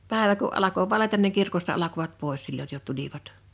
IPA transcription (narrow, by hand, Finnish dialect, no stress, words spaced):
pæˑeʋæ kuʔ ʔɑlɑko ʋɑletɑn niŋ kirkostɑ ɑlɑkoʋɑt poˑes silːoj jo tuliʋɑt